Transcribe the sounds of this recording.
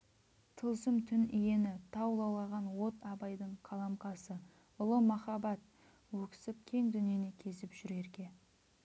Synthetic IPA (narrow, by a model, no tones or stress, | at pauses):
t̪ʰəlˠsəmt̪ʰʏnije̞nɪt̪ʰɑwlˠɑwlˠɑʁɑnwo̞t̪ɑbɑjd̪əɴqʰɑlˠɑmqɑsə | ʊlˠəmɑχɑbɑt̪̚ | wɵkʲɪ̥sɪp̚kʲʰe̞ŋd̪ʏnije̞ne̞kʲʰe̞sɪpʒ̥ʏɾe̞ɾkʲe̞